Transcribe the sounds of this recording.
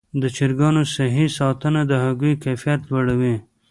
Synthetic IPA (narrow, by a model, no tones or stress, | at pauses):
d̪ət͡ʃiɾɡɑnosaɦisɑt̪ənad̪əɦaɡujkafijat̪waɽawi